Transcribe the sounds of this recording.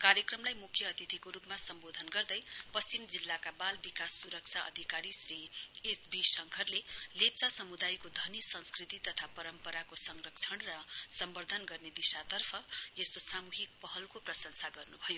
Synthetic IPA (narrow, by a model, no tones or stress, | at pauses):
kaɾjʌkrʌmlajmukʰːjʌːt̪it̪ʰikoɾupmasʌmbod̪ʱʌnɡʌrd̪ʌjpʌst͡simd͡zilːakabalbikasːuɾʌk̚t͡sʰaʌ̰d̪ʱikaɾisriesbisʌŋkʰʌrlelep̚t͡sasʌmud̪ajkod̪ʱʌnisʌ̃nskrit̪it̪ʌt̪ʰapʌɾʌmpʌɾakosʌŋrʌk̚t͡sʰʌɳrʌsʌmbʌrd̪ʱʌnɡʌrned̪isat̪ʌrpʰʌeskosamuɦik̚pʌɦʌlkoprʌsʌŋsaɡʌrnubʱʌjo